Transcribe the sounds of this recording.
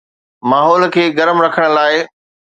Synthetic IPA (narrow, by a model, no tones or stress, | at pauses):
maːɦɔːlkʰeːɡɐɾəmɾɐkʰəɽ̃laːɪ